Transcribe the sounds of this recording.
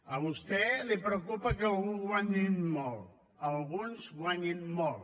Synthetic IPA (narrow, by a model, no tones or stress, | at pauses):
aβust̪ɛlepɾok̬upak̬aouwaɲinmɔl | aβunswaɲinmɔl